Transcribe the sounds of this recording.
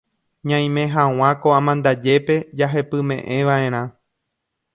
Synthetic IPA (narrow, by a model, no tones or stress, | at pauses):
ɲãj̃mẽ̞ɦãw̃ãkoãmãnd̪ad͡ʒe̞pe̞d͡ʒaɦe̞pɨmẽ̞ʔẽ̞ʋaẽ̞ɾ̃ã